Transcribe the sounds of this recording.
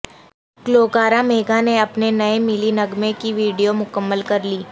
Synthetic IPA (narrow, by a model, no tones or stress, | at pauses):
kloːkaːɾameːɡaneɐpnenɐemɪlinɐɡmẽkiʋiːɖijomʊkəmːəlkɐɾliː